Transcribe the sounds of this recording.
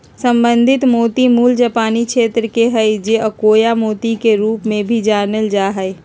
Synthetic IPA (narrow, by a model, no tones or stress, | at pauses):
sə̃mbə̃nd̪ʱɪt̪moːt̪imuːld͡ʒapaːnikʃeːt̪ɾəkeɦɛed͡ʒeʔəkoːjamoːt̪ikeɾuːpmẽbʱid͡ʒaːnəld͡ʒaːɦɛe